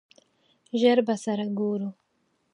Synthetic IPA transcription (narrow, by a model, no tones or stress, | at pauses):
ʒaɾbasaɾaɡuɾu